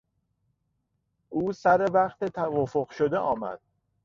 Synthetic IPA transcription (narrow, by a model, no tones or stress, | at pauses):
ʔuːsæɾevæχt̪e̞t̪ʰævɒːfoɢʃod̪eʔɒːmæ̰d̪̥̚